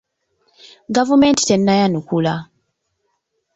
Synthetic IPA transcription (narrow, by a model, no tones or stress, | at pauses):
ɡavumeːnti̥tenːajanukula